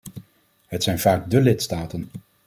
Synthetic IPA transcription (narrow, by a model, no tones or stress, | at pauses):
ɦətsɛjnv̥aːɡ̚dəlɪtstaːtən